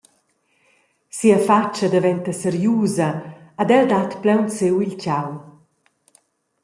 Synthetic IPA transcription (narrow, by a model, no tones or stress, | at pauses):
siafat͡ʃːad̪avɛnt̪əsɛɾjuːzaad̪ɛld̪at̪plɛwnt͡sewilcaw